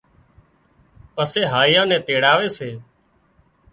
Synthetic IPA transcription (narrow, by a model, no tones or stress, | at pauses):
pəseːɦaːijãːnɛ̃ːt̪eːɽaːʋeːseː